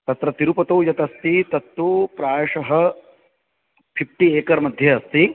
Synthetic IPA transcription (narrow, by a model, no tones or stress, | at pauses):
t̪ɐt̪ɾɐt̪iɾupɐt̪oːjɐt̪ɐst̪it̪ɐt̪ːʋoːpɾaːjʂɐɦɐ̆ | pʰip̚ʰʈieːkɐɾmɐd̪ʱjɐɐst̪i